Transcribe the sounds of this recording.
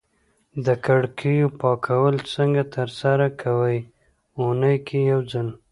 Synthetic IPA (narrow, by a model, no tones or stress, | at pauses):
d̪əkaɽkʰijopɑkʰawəlt͡səŋɡat̪əɾsaɾakʰawəj | unəjkʰejawd͡zən